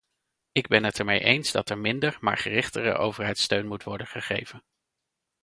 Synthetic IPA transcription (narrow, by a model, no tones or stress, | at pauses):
ɪɡ̚bɛnɦətɛɹmejʔejnzdɑtɛɹmɪndəɹma̰ːɹχərɪχtərə̰ʔowvəɹɦɛjtstøɥnmutʋɔɹdənχəχejvən